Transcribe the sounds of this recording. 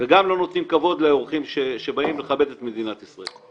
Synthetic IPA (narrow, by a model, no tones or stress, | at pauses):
veɡamlo̞no̞t̪nimkavo̞d̪leoʁχimʃeʃebaimleχabe̞d̪e̞tmedinat̪isʁael